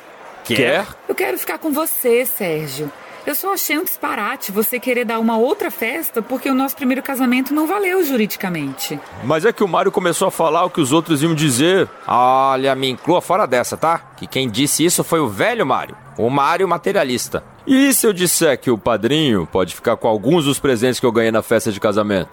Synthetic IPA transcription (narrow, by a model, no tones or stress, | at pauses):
kɛewkɛɾʊfi̥kaɾkõvosesɛɾʒjʊ | ewsɔaʃejũd͡ʒi̥spaɾat͡ʃɪvosekeɾeɾd̪aɾũmɐowt̪ɾɐfɛst̪ɐpoɾkeʊnɔsʊ̥pɾimejɾʊkazamẽnt̪ʊnɐ̃w̃valewʒuɾid͡ʒikɐmẽnt͡ʃɪmɐzɛkɪʊmaɾjʊkõmesowɐfalaɾʊkɪʊzowt̪ɾʊziɐ̃w̃d͡ʒizeɾ | aʎɐmĩĩkluɐfɔɾɐd̪ɛsɐt̪akɪkẽj̃d͡ʒisɪisʊfojʊvɛʎʊma̰ɾjʊ̰ | ʊmaɾjʊmat̪eɾialist̪ɐ̰ | ɪsɪewd͡ʒisɛɾkɪʊpad̪ɾĩɲʊ̰pɔd͡ʒɪfi̥kaɾkõawɡũzd̪ʊspɾezẽnt͡ʃɪskɪewɡɐ̃jejnɐfɛst̪ɐd͡ʒɪkazamḛ̃nt̪ʊ